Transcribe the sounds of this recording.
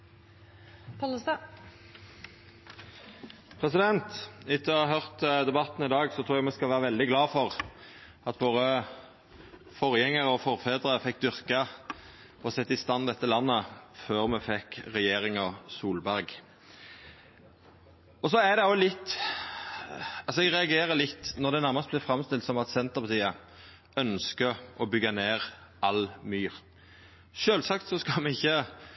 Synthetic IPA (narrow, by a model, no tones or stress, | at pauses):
pl | pʰʁɛsɪd̪ɛnt̪ɪt̪ʰːəɔɑɦœʁt̪d̪ɛbɑt̪n̩ɪd̪ɑːɡsɔt̪ʰɾuːjæɡmɛskɑlʋæːʁəʋɛld̪ɪɡlɑːfɔʁ | ɑt̪ʋoːʁə | fɔʁjɛŋːəʁɔfɔʁfeːd̪əʁəfɛk̚ːd̪ʏʁkɑ | ɔsɛt̪ːəɪst̪ɑnd̪ɛt̪ːəlɑnːəføːɾmɛfɛkʁɛjeːɾɪŋɔsuːlbæɾɡ | ɔsɔæd̪ɛolɪt̪ː | ɑlsɔɛɡʁɛɑɡeːɾəlɪt̪ːnɔʁd̪ɛnæʁmɑst̪̚blɛːfʁɑmst̪ɪlt̪sɔmɑt̪sɛnt̪əʁpʰɑt̪ʰiːə | œnskəʔɔbʏɡɑneːʁʔɑlmyːʁ | ʃøːlsɑkt̪sɔskɑmɛɪçːə